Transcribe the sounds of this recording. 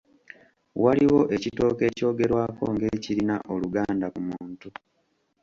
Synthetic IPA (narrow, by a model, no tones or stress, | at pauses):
waliɣo̞ʔe̞cito̞ːke̞ːco̞ːɡe̞ɾwaːko̞̰ŋɡe̞ːciɾinaʔo̞luɡaːndakumuːntu